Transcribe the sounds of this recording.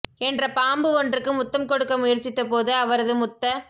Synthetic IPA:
ɛndrɐpaːmbɯɔndrɯkːɯmʊt̪ːɐmkɔɽɯkːɐmʊjɐɾt͡ʃːɪt̪ːɐpoːðɯɐʋɐɾɐðɯmʊt̪ːɐ

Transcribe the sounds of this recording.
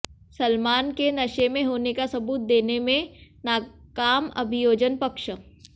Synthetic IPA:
sɐlmaːnkenɐʃemẽɦoːnekasɐbuːt̪̚d̪eːnemẽnaːkaːmɐ̰bʱɪjoːd͡ʒənpɐkʃ

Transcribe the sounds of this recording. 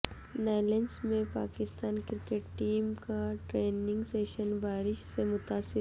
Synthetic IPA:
naːlensmẽpaːkɪst̪aːnkɪɾkeːʈʈiːmkaʈɾeːnɪ̃ŋɡseːʃənbaːɾɪʃsemʊt̪aːsɪ

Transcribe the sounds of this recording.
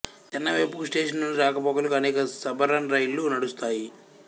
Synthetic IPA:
t̪ɛnːɐʋepuksʈe̞ːʂ̬ɐnnunɖiɾaːkɐpɔːkɐlɐkuɐneːkɐsɐbɐɾɐnɾɐjlːunɐɽust̪aːji

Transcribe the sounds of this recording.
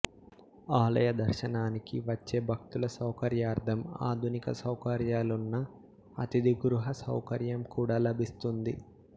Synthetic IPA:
aːlɐ̰jɐd̪ɐɾʃɐnaːnikiʋɐt͡ʃːe̞ːbʱɐkt̪ulɐsɐwkɐɾjaːɾd̪ʰʱɐma̰ːd̪ʱunikɐsɐwkɐɾjaːlunːɐ̰ː | t̪id̪ʱiɡɾuɦɐsɐ̰wkɐɾjɐmkuːɽaːlɐbʱist̪und̪i

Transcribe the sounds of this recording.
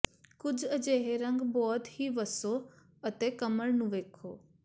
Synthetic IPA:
kʊd͡ʒʱəd͡ʒeːɦeɾə̃ŋɡbɔːt̪hiːʋəsoː | ət̪eːkəməɭnũːʋeːkʰoː

